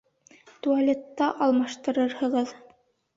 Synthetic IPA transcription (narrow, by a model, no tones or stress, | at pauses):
t̪ualʲet̪ːɑʔɑlˠmɑʃt̪ɤ̆ɾɤɾhɤ̆ʁɤð